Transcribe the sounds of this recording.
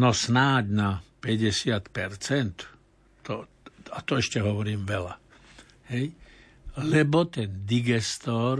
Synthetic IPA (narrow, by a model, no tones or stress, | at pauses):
nɔsnaːɟnapɛɟɛsɪat̪pɛɾt͡sɛnt̪ː | ɔ | at̪ɔɛʃcɛɦɔʋɔɾiːmʋɛla̰ | hɛj | lɛbɔt̪ɛnd̪iɡɛst̪ɔːɾ